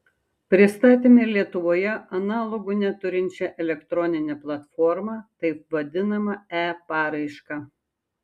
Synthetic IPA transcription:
pʲɾʲɪst̪ɑːt̪ʲeːmʲelʲiɛt̪ʊʋoːjɛɐnɑːlˠoɡʊnʲɛt̪ʊɾʲɪnʲt͡ʃʲɛʔɛlʲɛkt̪ɾɔnʲɪnʲɛːplˠɐt̪fɔːɾmɑt̪ɐɪp̚ʋɐd̪ʲɪnɐmɐæːpɑːɾɐɪʃkɑː

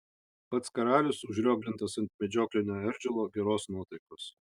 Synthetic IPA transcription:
pɐt̪skɐɾɑːlʲɪsʊʒʲɾʲoːɡlʲɪnt̪ɐsɐnt̪ʲmʲɛd͡ʒʲoːklʲɪnʲoːɛɾʲd͡ʒʲʊlˠoːɡʲɛɾoːsnuɔt̪ɐɪkoːs

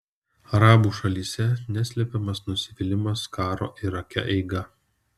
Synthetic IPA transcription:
ɐɾɑːbuːʃɐlʲiːsʲɛnʲæsʲlʲɛpʲɛmɐsnʊsʲɪʋʲɪlʲɪmɐskɑːɾo̰ːʔɪɾɐkʲɛ̰ʔɛɪɡɐ

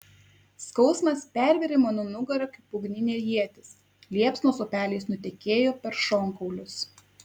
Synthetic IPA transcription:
skɒʊsmɐspʲæˑɾʲʋʲɛɾʲɪmoːnʊnʊɡɐɾɐkʲɪpʊɡnʲɪnʲeːjiɛt̪ʲɪs | lʲiɛpsnoːsoːpʲæːlʲɛɪsnʊt̪ʲɛkʲeːjoːpʲɛɾʃɔŋkɔʊlʲʊs

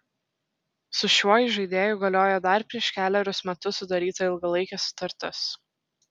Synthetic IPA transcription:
sʊʃʲuɔjɪʒɐɪd̪ʲeːjʊɡɐlʲoːjod̪ɐɾpʲɾʲiɛʃkʲæːlʲɛɾʲʊsmʲɛt̪ʊsʊd̪ɐɾʲiːt̪ɐɪlˠɡɐlˠɐɪkʲɛsʊ̥t̪ɐɾʲt̪ʲɪs

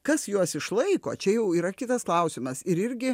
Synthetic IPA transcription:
kɐsjuɔsɪʃlˠɐɪkoːt͡ʃʲɛjɛʊiːɾɐkʲɪt̪ɐsklˠɐʊsʲɪmɐsɪɾɪɾʲɡʲɪ

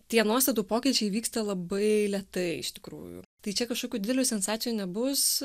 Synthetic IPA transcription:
t̪ʲiɛnuɔst̪ɐt̪uːpoːkʲiɪt͡ʃʲɛɪʋʲiːkst̪ɐlˠɐbɐɪlʲɛt̪ɐɪɪʃt̪ʲɪ̥kɾṵːjʊ̰t̪ɐɪt͡ʃʲɛkɐʃkoːkʲuːd̪ʲɪd̪ʲɛlʲuːsʲɛnsɑːt͡s̪ʲɪjuːnʲɛbʊs

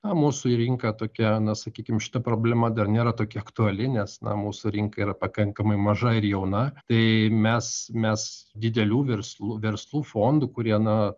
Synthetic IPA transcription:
nɐmuːsʊiɾʲɪŋkɐt̪oːkʲɛnɐsɐkʲiːkʲɪmʃʲɪ̥t̪ɐpɾoːbʲlʲɛmɐd̪ɐrnʲeːɾɐt̪oːkʲɛɐkt̪uɐlʲɪnʲɛsnɐ̰muːsʊɾʲiŋkɐiːɾɐpɐkɐŋkɐmɐɪmɐʒɐɪɾjɛʊnɐt̪ɐɪmʲɛsmʲɛsd̪ʲɪd̪ʲɛlʲuːʋʲɛrslˠuːʋʲɛɾslˠuːfoːnd̪uːkʊɾʲiɛnɐ

